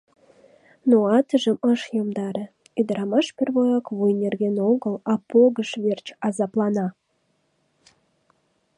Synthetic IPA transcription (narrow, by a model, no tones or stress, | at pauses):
noɑt̪əʒəməʃjomd̪ɑɾe | ed̪əɾɑmɑʃperβojɑkβujnʲerɣenoɣəlɑpoɣəʃβert͡ɕɑzɑplˠɑnɑ